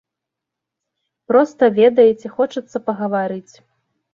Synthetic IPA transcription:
pɾɔst̪ɐvʲɛd̪ɐjɛt͡sʲɛxɔt͡ʂɐt̪sːɐpɐɣɐvaɾɨt͡sʲ

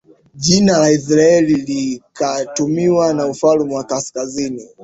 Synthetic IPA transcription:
ʄinalais̬ɾaɛlilikatumiwanaufalumuwakaskazini

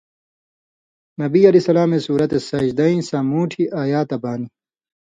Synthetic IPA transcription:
nɐbiɐlisɐlaːmesuːɾɐt̪esɐʑd̪ɐĩsaːmuːʈʰiʔaːjaːt̪ɐbaːni

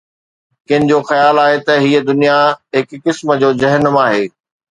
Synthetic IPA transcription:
kɪɦɪnɪ̆d͡ʑoːxɐjaːlaːɦet̪ɐɦiəd̪ʊnijaɦɪkːɪsmə̆d͡ʑoːzɐɦənəmaːɦeː

